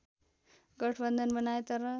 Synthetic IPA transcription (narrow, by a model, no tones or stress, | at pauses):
ɡʌʈʰbʌnd̪ʱʌnbʌnajt̪ʌɾʌ